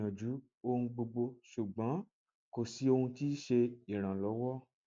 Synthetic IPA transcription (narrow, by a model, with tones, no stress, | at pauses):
ã˨d͡ʒu˨˦ | o˧hũ˧ɡ͡bo˧ɡ͡bo˧ʃu˨ɡ͡bã˨˦ | ko˦˨si˨˦o˧hũ˧ti˦ʃe˧i˨ɾ̃ã˨lɔ˨˦wɔ˦